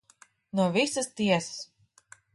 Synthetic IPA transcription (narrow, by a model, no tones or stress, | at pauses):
nuɔvisɨst̪iɛsɨ̥s